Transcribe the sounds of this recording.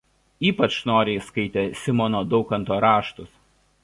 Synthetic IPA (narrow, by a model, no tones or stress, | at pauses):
iːpɐt͡ʃnoːɾʲeɪskɐɪt̪ʲeːsʲɪmɔnoːd̪ɒʊkɐnt̪oːɾɑːʃt̪ʊs